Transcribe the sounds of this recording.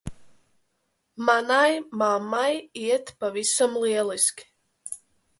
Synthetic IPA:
manajmamajiɛt̪pavisamliɛlˠiskʲ

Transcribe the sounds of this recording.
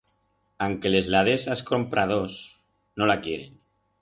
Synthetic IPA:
aŋkele̞zlað̞esaskompɾʔað̞os | nolakjeɾen

